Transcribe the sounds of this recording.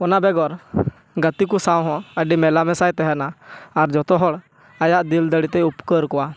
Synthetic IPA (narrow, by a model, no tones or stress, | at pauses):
ɔnabɛɡɔɾ | ɡət̪ikusãw̃ɦɔ̃əɖimɛlamɛsajt̪ɛɦɛnaːɾd͡ʒɔt̪ɔɦɔɽ | ajaʔd̪ild̪əɽit̪ɛupkəɾkɔwa